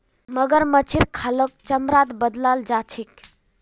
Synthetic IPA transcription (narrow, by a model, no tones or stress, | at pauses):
məɡəɾmət͡ʃʰiɾkʰalok̚t͡ʃəmɾaːt̪bəd̪lald͡ʒat͡ʃʰik